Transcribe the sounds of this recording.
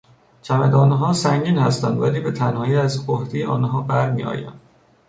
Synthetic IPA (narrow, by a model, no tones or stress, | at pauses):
t͡ʃʰæmæd̪ɒːnɦɒːsæŋɟiːnhæst̪ænd̪væliːbe̞t̪ʰænhɒːjiːæzohd̪ejeʔɒ̰ːnɦɒːbæɾmḭɒ̰ːjæ̰m